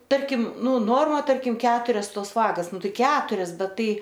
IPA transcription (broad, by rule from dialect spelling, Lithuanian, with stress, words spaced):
ˈtɐrʲkʲɪm ˈnʊ ˈnoːrmɐ ˈtɐrʲkʲɪm ˈkʲæːtʊrʲɛs ˈtoːs ˈʋɑːɡɐs ˈnʊ ˈtɐɪ ˈkʲæːtʊrʲɛs ˈbʲɛt ˈtɐɪ